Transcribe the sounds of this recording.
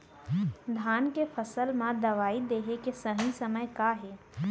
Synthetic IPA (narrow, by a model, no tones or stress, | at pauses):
d̪ʱaːnkepʰəsəlmãd̪ɐʋaːid̪eːɦekesəɦĩsɐməjkaːɦɛː